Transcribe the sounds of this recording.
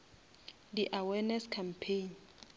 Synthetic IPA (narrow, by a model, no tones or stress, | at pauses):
diʔawɛnɛskʰampʰen